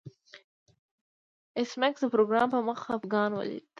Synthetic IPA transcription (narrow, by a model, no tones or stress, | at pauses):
ɪsmaksd̪əpɾoɡɾɑmpəməxaːfɡɑnwə̰lḭd̪